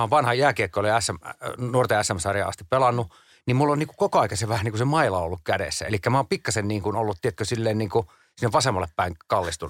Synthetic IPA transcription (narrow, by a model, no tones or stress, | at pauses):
oʋɑnhɑjæːkiekːoliæsːæmnuort̪eæsːæmsɑrjɑ̰ɑ̰st̪ippelɑnːu | nimmulːoniːkukokoɑikɑseʋæhæniːŋkusemɑilɑolːukkædḛsːæ̰ḛlikːæmæoːmpikːɑsenniːŋkunolːut̪t̪iet̪køsilːeːnniːŋku | sinːeʋʋɑsemːɑlːeppæiŋkɑlːist̪un